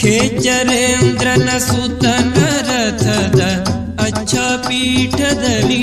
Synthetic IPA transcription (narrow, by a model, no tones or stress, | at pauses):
kʰeːt͡ʃɐɾeːnd̪ɾɐnɐsut̪ɐnɐɾɐt̪ʰɐd̪ɐ | ɐɕʰaːpiːʈʰɐd̪ɐli